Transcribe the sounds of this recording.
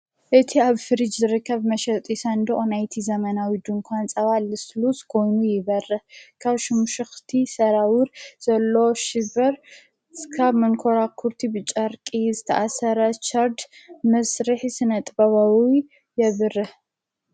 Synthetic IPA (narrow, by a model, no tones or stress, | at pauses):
ʔɨt̪ʰiaβfɨɾid͡ʒzɨɾɨkːɐβmɐʃɐt̪ʼisɐnd̪oʔʼonajt̪ʰizɐmɐnawid̪uŋkʰʷant͡sʼɐβalɨsluskʰo̞jnujɪβɐrːɐkʰaβʃɪmuʃɨxt̪ʰisɐɾawʊɾz̥ɐlːo̞ʃɪbɐɾ | kʰaβmɐnkʰo̞ɾakʰuɾt̪ʰibɨt͡ʃʼɐɾkʼizɨt̪ʰɐ̰ʔasɐɾɐt͡ʃʰʼɐɾd̪mɐsɾɨħsɨnɐt̪ʼbɐβawi | jɛβɨɾɨ